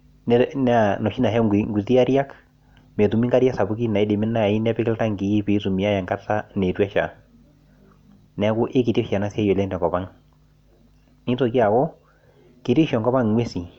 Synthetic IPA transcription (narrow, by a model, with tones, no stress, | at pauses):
n˦nɛ˦nɔ˨ʃi˦na˨ɦɛ˦˨ŋɡu˨ti˦a˦ɾja˦k | me˨tu˨mi˦ŋɡa˦ɾja˦sa˨bu˦ki˦na˨i˦dɪ˨mɪ˦na˨i˦nɛ˦pɪ˦kɪ˦lta˦ŋki˨i˦pi˨˦tu˨mi˨a˦ja˨ŋka˦ta˦nɛ˨twɛ˦ʃa̰˨ | nɛ˨˦kʊ˦ʔɪ˦kɪ˨ti˦ʃa˨na˦sɛ˦jɔ˨lɛ˦ntɛ˨kɔ˨pa˦ŋ | nɪ˦to˨ki˦a˨kɔ˦ | ke˨ti˦ʃɔ˨ŋkɔ˦pa˦ŋwe˦si˨